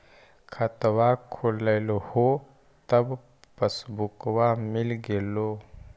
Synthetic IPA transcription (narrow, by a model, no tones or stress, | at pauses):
kʰət̪wakʰolːəɪloho | t̪əb | pəsbukwamɪlɡeloː